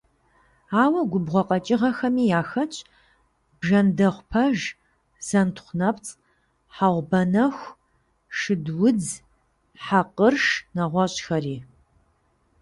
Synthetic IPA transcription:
aːwɐɡʷʊbʁʷɔqʼɐt͡ʃʼɪʁɐxɐmiːjaːxɐt͡ʃʰʼ | b̥ʒɐndɐχʷpʰɐʒ | z̥ɐntʰχʷnɐpt͡sʼ | ħaʁʷbɐnɐxʷ | ʂɨdwʊd͡z | ħaqərʂnɐʁʷɔɕʼxɐriː

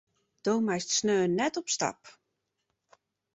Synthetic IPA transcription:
d̥owmajstsnøːnɛtɔpsta̰p

